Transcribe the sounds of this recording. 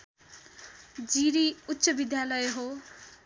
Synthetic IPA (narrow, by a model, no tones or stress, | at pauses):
d͡ziɾiutːsʌbid̪jalʌjeɦo